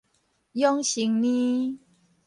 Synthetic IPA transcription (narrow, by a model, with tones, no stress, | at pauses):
jɔ˦ŋɕi˨˧˦ŋnĩ˦